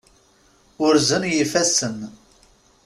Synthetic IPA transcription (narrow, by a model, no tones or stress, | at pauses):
ʊɾzənjifæsən